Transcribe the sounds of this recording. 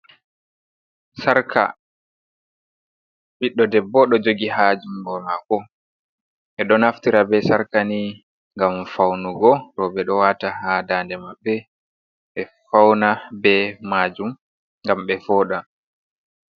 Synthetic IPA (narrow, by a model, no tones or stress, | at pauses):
saɾkʰa̰ | ɓiɗːɔdɛbɔɗɔd͡ʒoɡiɦad͡ʒumbɔmakɔ | ʔɛɗɔnaftiɾabɛsaɾkani | ŋɡamfawnuɡɔɾɔbɛɗɔwaːtahaːdaːndɛmabːɛ | ɓɛfawnabɛmad͡ʒum | ŋɡamɓɛfɔːɗa